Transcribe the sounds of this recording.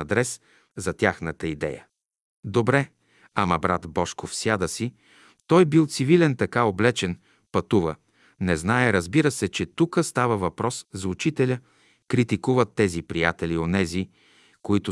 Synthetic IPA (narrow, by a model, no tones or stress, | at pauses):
ɐd̪ɾɛs | zɐt̪ʲjaxnət̪əid̪ɛ̰jə | d̪obɾɛ | amɐbɾat̪bɔʃkofsʲjad̪əsi | t̪ɔjbilˠt̪sivilɛnt̪ɐkaoblɛt͡ʃɛn | pɐt̪uvə | nɛznaɛɾəzbiɾəsɛt͡ʃɛt̪ukəst̪avəvɐpɾɔszɐut͡ʃit̪ɛlʲə | kɾit̪ikuvət̪ːɛzipɾijat̪ɛlionɛzi | koit̪ʊ